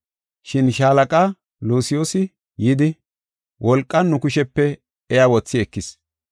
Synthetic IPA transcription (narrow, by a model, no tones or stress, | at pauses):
ʃɪnʃaːlɐkʼa | luːsɪjoːsɪ | jɪd̪ɪ | wʔɔlkʼːɐnːʊkʊʃɛpːɛ | ɛjawɔt͡sːɪɛkːɪs